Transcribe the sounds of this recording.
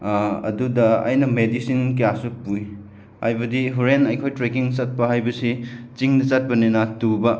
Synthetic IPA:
ɐ̰dudɐɐ̰jnɐmedisinkɐjasupuj | hajbɐdiɦuɾenɐjkʰojtɾekiŋsɐt̚pɐɦajbɐsit͡ʃiŋnɐsɐt̚pɐninɐtubɐ

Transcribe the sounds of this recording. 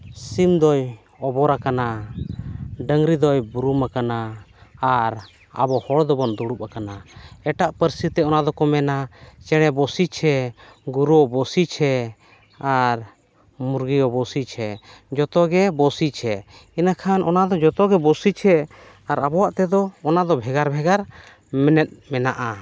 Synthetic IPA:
simd̪ɔj | ɔbɔɾakana | ɖəŋɾid̪ɔjbuɾumakanaː | ɾ | a̰bɔhɔɽd̪ɔbɔnd̪uɽup̚akanaɛʈaʔpəɾsit̪ɛɔnad̪ɔkɔmɛnat͡ʃɛɽ̃ɛbɔsit͡ʃʰɛɡuɾuɔbɔsit͡ʃʰɛ | aɾ | muɾɡijɔbɔsit͡ʃʰɛd͡ʒɔt̪ɔɡɛbɔsit͡ʃʰɛinakʰanʔɔnad̪ɔd͡ʒɔt̪ɔɡɛbɔsit͡ʃʰɛ | aɾabɔwaʔt̪ɛd̪ɔːnad̪ɔbʱɛɡaɾbʱɛɡaɾ | mɛnɛt̪̚mɛnaʔa

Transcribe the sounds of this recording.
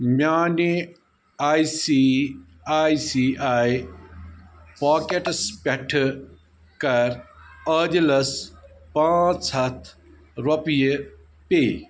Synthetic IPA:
mjaːne | aːisi | aːisiaːj | paːkeʈspʲɐʈʰ | kɐɾəːdlɐspãːt͡sɐt̪ʰ | ɾopijə | peː

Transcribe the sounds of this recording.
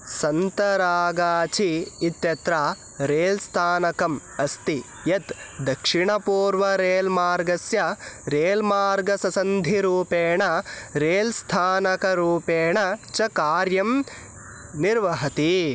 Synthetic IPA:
sɐnt̪ɐɾaːɡaːt͡ʃʰiːt̪jɐt̪ɾaː | ɾeːlst̪ʰaːnɐkɐm | ɐst̪i | jɐt̪d̪ɐkʂiɳɐpuːɾʋɐɾeːlmaːɾɡɐsjɐɾeːlmaːɾɡɐsɐsɐnd̪ʱiɾuːpeːɳɐɾeːlst̪ʰaːnɐkɐɾuːpeːɳɐt͡ʃɐkaːɾjɐm | niɾʋɐɦɐt̪i

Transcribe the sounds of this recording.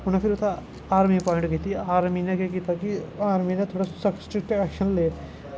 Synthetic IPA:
ʊnẽpʰɪɾʊt̪a | aːɾmipɔːɪ̃ɳʈkiːt̪ʰiaːɾminekekiːt̪ʰakiaːɾminet̪ʰoːɽasɐksʈɾɪkʈɛːkʃənleː

